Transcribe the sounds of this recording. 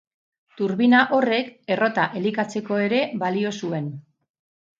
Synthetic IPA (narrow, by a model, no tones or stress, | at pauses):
t̪uɾβinaʔo̞re̞ke̞ro̞t̪aʔelikat͡se̞ko̞e̞ɾe̞βalio̞sue̞n